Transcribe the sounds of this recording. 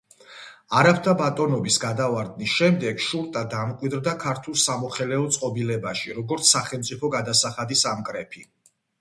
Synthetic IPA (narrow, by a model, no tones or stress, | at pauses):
aɾap̚ʰt̪ʰabat̪ʼɔnɔbisɡad̪avaɾd̪̚nisʃɛmd̪ɛɡʃuɾt̪ʼad̪amqʼwid̪ɾd̪akʰaɾt̪ʰulˠsamɔχɛlɛɔt̪sʼqʼɔbilɛbaʃiɾɔɡɔɾt̪sʰsaχɛlˠmt̪sʼipʰɔɡad̪asaχad̪isamkʼɾɛpʰi